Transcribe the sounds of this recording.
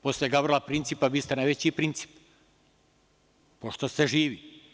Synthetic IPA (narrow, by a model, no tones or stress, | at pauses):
posljeɡabɾolapɾint̪sipaʋiːst̪enajʋet͡ɕipɾint̪si̥p | poʃt̪ost̪eʒiːʋi